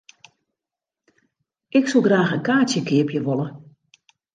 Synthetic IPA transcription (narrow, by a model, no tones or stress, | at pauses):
ɪksolˠɡraːxənkaːtjəkɪəpjəʋɔlˠə